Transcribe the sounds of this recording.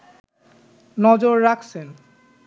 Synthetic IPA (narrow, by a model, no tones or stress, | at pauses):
nɔd͡ʑoɾːakʰsʰen